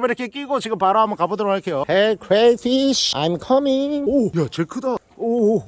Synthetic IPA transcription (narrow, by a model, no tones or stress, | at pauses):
meiɾekʰek͈iɡot͡ɕiɡɯmpaɾaɦamʌnkabodɯɾaɭkʰejohekʰɹefʰiɕa̰jmkʰʌmiŋojat͡ɕekʰɯda | o